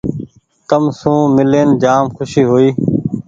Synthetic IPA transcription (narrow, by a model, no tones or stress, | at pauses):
kəmsũːmɪleːnd͡ʒaːmxʰʊʃiːɦoiː